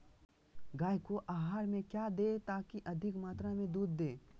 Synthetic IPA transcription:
ɡaːjkoʔaːɦaːɾmẽkjaːd̪et̪aːkiʔɐd̪ʱɪkmaːt̪ɾamẽd̪uːd̪ːeː

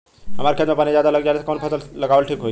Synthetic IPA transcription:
ɦəmaɾkʰjaːt̪mepaːnizjad̪aləɡd͡ʑaɾeskɔnpʰəsəllɐɡaʋəlʈʰiːkɦoi

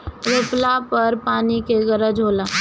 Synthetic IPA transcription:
ɾʊplapɐɾpaːnikeɡəɾəd͡ʒɦoːlaː

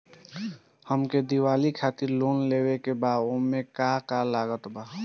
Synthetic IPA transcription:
həmked̪iwaːlikʰaːt̪iɾlonlewekebaːd̪omːekakalaɡət̪baː

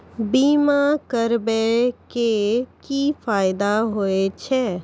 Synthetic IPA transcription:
biːmakəɾbekekifaːɪd̪aɦoet͡ʃʰɛː

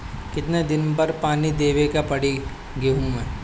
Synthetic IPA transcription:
kɪt̪ned̪ɪnpɐɾpaːnid̪eːʋekapɐɽi | ɡeɦũmɛ̃ː

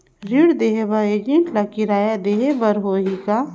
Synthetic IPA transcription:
ɾiɽd̪eːɦebɐɾeːd͡ʒẽɳʈlakiɾaːjad̪eːɦebɐɾɦoːɦika

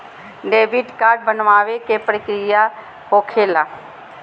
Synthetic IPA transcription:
ɖeːʋɪʈkaːɾɖ̚bənʋaːʋekepɾəkɾija | hoːkʰeːla

